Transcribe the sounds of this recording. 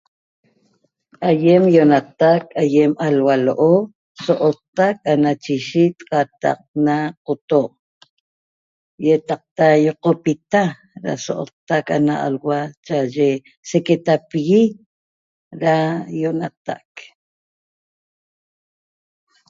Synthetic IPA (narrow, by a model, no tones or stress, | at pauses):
ʔajemjonat̪akajemalwaloʔo | soʔot̪ːak̚anat͡ʃiʃit̪qat̪a̰q̚naqot̪oʔ | jet̪ɑq̚t̪ajoqopit̪a | ɾa̰so̰ʔo̰t̪ːaka̰naa̰lwat͡ʃaʒe | seket̪apiɣi | ɾajonat̪a̰k